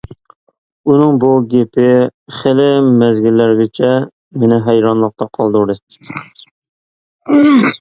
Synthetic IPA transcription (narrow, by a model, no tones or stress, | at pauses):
unɨŋbuɡʲepɪχelɪmɛzɡʲilːæɾɡʲɪt͡ʃʰɛ | mɪnɪɦɛjɾɑnlˠəq̚t̪ɑqʰɑlˠd̪uɾɨ